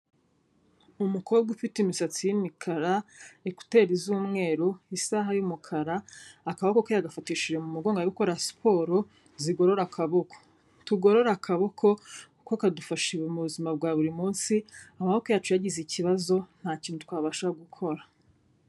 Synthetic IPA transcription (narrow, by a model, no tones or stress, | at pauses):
umukʰo̞ːbɡufitimisat͡sijimikʰaɾaeku̥te̞ːɾizuːmŋe̞ːɾuisaɦajumukʰaɾaːkaβakokojaɡafatiːʃiɾemumuɡo̞ːŋɡaɾikoɾaspʰo̞ːɾo̞ | ziɡo̞ɾo̞ɾakʰaβo̞kʰo̥ | tuɡo̞ɾo̞ɾakʰaβo̞kʰo̞ | kokadufaʃiemuβuzimab̚ɡaːβuɾimuːnsiamaβokojaːt͡ʃujaɟiziciβazo̞n̥haːciːn̥utwaːβaʃaɡukʰo̞ɾa